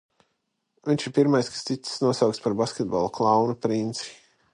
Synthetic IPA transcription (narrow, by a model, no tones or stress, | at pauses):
viɲʲʃiɾpiɾmajskḁst̪it̪snuɔsawkt̪spaɾbaskʲɛt̪̚ba̰lˠuklˠɑwnupɾint̪si̥